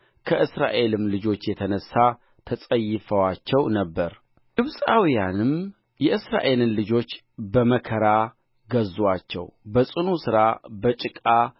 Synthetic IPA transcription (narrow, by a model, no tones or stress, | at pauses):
kʰəʔɨsɾa̰ʔe̞lɨmlɨd͡ʒo̞t͡ʃːjɛt̪ʰənəsːa | t̪ʰəsʼəjːɪfəwat͡ʃːɛwnəbːəɾ | ɡɨβsʼawijanɨm | jɛʔɨsɾa̰ʔe̞lɨnlɨd͡ʒo̞t͡ʃː | bəməkʰəɾa | ɡəzwat͡ʃːɛ̰wbəsʼɨnusɨɾabət͡ʃʼɪkʼa